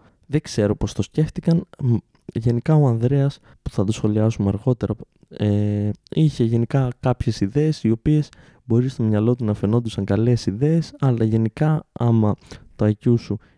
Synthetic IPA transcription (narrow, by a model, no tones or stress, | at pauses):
ðe̞ɡseɾo̞po̞st̪o̞sce̞ft̪ikɐn | ʝe̞nikɐoɐnðɾe̞ɐs | pu̥θɐt̪osxo̞liɐsumeɐɾɣo̞t̪e̞ɾɐ | eiçe̞ʝe̞nikɐkɐpçe̞siðe̞ːsio̞pie̞s | bo̞ɾist̪omɲɐlo̞t̪̬unɐfe̞no̞nd̪usɐŋɡɐle̞siðe̞ːsɐlɐʝe̞nikɐɐmɐt̪oɐcusu